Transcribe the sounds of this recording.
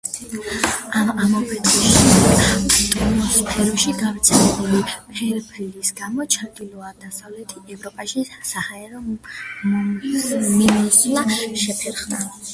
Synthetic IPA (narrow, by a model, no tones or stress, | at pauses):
aamapʰɛt̪ʼχʼiʃi | t̪ʼɔnispʰɛɾɔʃiɡavt̪sʰɛlɛbulipʰɛɾbʰɾilisɡamɔt͡ʃʰaɾɡ̪ilɔad̪asavlɛt̪ʰiɛvɾɔpʼaʃisahaɛɾɔ | minismaʃɛpʰɛɾχna̰